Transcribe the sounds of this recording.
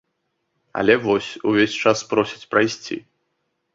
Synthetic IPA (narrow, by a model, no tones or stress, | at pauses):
ɐ̰lʲɛvɔsʲuvʲesʲt͡ʂaspɾɔsʲi̥t͡sʲpɾajsʲt͡sʲḭ